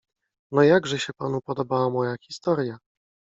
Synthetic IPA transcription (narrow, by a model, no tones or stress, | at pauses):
nɔjaɡʐɛɕɛpanupɔd̪ɔbawamɔjaxʲist̪ɔɾʲja